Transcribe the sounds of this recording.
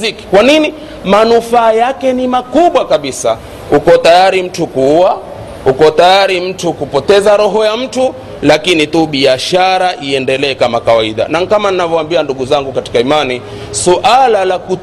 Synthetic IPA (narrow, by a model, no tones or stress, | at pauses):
iki̥kwanini | manufaːjakɛnimakuɓwakaɓisa | ukɔtajaɾim̩tukuua | ukɔtajaɾim̩tukupɔtɛzaɾɔɦɔjam̩tu | lakinituɓiaʃaɾaʔiɛndɛlɛːkamakawaiɗa̰naŋkamaninavɔwambianduɠuzaŋɡukati̥kaimani | suʔalalaku